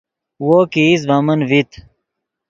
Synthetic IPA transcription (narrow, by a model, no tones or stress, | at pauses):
woːkiːz̬bɐmənvit̪ʰ